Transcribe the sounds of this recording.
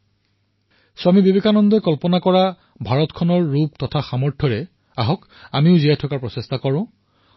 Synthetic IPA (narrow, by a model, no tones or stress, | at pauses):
swamibibekʰanɔndɔkɔlpɔnakɔɹa | bʱaɹɔtkʰɔnɔɹːub̚tɔtʰaxamɔɹtʰɔɹɛ | aɦɔk | amiʊziatʰɔkaɹpɹɔsestakɔɹʊ̃